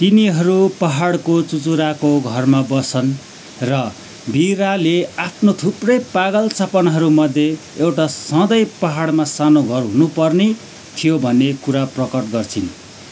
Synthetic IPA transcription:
t̪iniɦʌɾupʌɦaɽkot͡sut͡suɾakoɡʱʌrmabʌsʌn | rʌ | biɾaleapʰnot̪ʰuprʌjpaɡʌlt͡sʌpʌnɦʌɾumʌd̪ʱje | ewʈasʌ̃d̪ʌjpʌɦaɽmasanoɡʱʌrɦunupʌrne | t̪ʰijobʱʌnːekuɾaprʌkʌʈɡʌrt͡sʰin

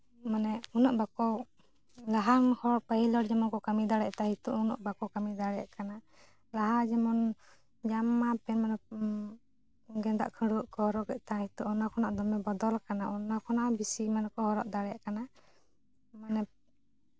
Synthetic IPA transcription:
manɛunɔʔbakɔ | laɦaŋhɔɾpəhilɔɾd͡ʒɛmɔnkɔkamid̪aɽɛʔt̪ahit̪ṵʔunɔ̰ʔbakɔwkamid̪aɽɛja̰ʔkana | laɦad͡ʒɛmɔn | d͡ʒamːapɛnmanɛ | ɡɛnd̪a̰ʔkʰəɽuʔkɔhɔɾɔʔɡɛʔt̪ahit̪uʔɔnakʰɔnaʔd̪ɔmɛbɔd̪ɔlkanaɔnakʰɔnaʔbisimankɔhɔɾɔʔd̪aɽɛjaʔkana | manɛ

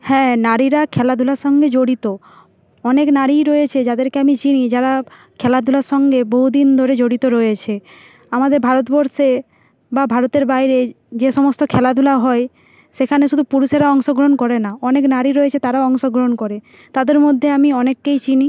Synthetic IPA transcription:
hɛ̃naɾiɾakʰɛlad̪ʱulaɾʃɔŋɡed͡ʑoɽit̪o | ɔneknaɾiɾɔjet͡ɕʰed͡ʑad̪eɾkeamit͡ɕinid͡ʑaɾa | kʰɛlad̪ʱulaɾʃɔŋɡeboɦud̪ind̪ʱoɾed͡ʑoɽit̪oɾɔet͡ɕʰe | amad̪eɾbʱaɾot̪bɔɾʃe | babʱaɾot̪eɾbajɾe | d͡ʑeʃɔmost̪okʰɛlad̪ʱulaɦɔe | ʃekʰaneʃud̪ʱupuɾuʃeɾaɔŋʃoɡɾoɦonkɔɾenaɔneknaɾiɾɔet͡ɕʰet̪aɾaɔŋʃoɡɾoɦonkɔɾe | t̪ad̪eɾmod̪ʱːeamiɔnekːejt͡ɕini

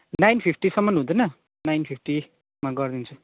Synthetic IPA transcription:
najnpʰipʰʈisʌmːʌnɦũd̪ʌjnʌ | najnpʰip̚ʰʈi | maɡʌrd̪int͡sʰu

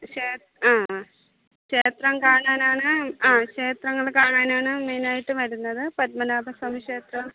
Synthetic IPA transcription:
ʂeː | aː | ɕeːt̪rɐmkaːɳaːnaːɳɨaːke̞ːt̪rɐŋːɐɭkaːɳaːnaːɳɨmeːnaːjiʈːɨʋɐɾunːɐðɨpɐt̪̚mɐnaːbʱɐsɐmiʂeːt̪rɐm

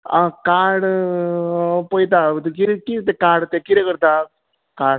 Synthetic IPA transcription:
ãkaːɽ | poit̪̬at̪ekiɾkit̪ekaːɽt̪ekiɾekəɾt̪a | kaːɽ

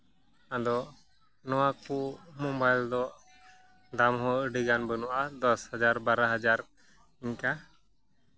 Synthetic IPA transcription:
ad̪ɔʔ | nɔwakuʔmɔbajld̪ɔʔ | ɖamɦɔ̃əɖiɡanbənɔʔad̪ɔshad͡ʒaɾbaɾaɦad͡ʒaɾ | iɲka

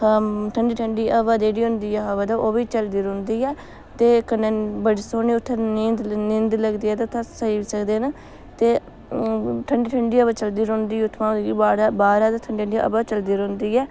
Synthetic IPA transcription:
ʈʰəɳɖiːʈʰəɳɖiːəʋaːd̪eːɽiːɦʊ̃nd̪iːɛːɦaʋad̪aːʔoːʋiːt͡ʃəld̪iːɾʊ̃nd̪iːɛː | t̪eːkənːẽːbəɽːsoːniːʊt̪ʰːanind̪nɪ̃nd̪ləɡd̪iːɛːt̪at̪ʰasəiːisəkd̪eːna | t̪eː | ʈʰəɳɖiːʈʰəɳɖiːəbaːt͡ʃəld̪iːɾõnd̪iːʊt̪ʰmãːibaːɾaːbaːɾaːd̪aːt̪ʰəɳɖiːəɳɖiʔə̰baːt͡ʃəld̪iːɾʊ̃nd̪iːɛː

